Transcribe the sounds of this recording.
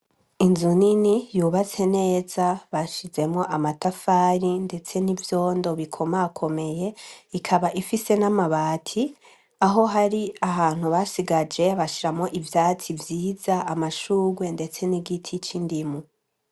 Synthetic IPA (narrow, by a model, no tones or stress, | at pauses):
inzuninijuːβat͡se̞ne̞ːz̥aβaʃize̞mŋo̞ʔamatafaːɾinde̞t͡se̞nivjoːndo̞βikʰo̞makʰo̞me̞je̞ikʰaβaʔifise̞namaβaːtʰi | aɦo̞ɦaɾiaɦaːn̥huβasiɡad͡ʒe̞βaʃiɾamŋo̞ʔivjaːt͡sivjiːzaʔamaʃuːɡwe̞nde̞t͡se̞niɡitʰit͡ʃindimu